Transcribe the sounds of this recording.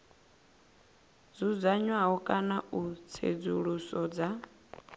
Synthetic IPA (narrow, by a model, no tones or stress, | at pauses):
d͡zud͡zaɲwaɦɔkʼanaʔut͡sʰḛd͡zuɺusɔd͡za